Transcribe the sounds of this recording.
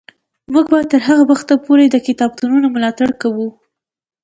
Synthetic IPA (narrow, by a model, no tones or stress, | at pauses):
muɡbɑjad̪t̪əɾɦaɣabaxt̪apoɾed̪əkɪt̪ɑb̚t̪ununoməlɑt̪aɽkawu